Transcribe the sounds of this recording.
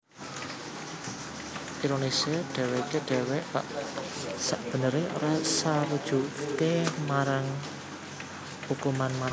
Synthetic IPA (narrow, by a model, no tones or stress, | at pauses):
ʔiɾoniseɖ̥ɛ̤wekeɖ̥ɛ̤wɛʔpa̰ʔ | saʔb̥ə̤nəɾeʔo̰ɾasaɾud̥ʒ̥ṳʔkemaɾaŋ | hukumanmaɾ